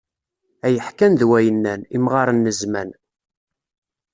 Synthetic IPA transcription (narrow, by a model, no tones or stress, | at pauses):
æjəħkænðwæjənːænimʁaɾˤənːəzmæn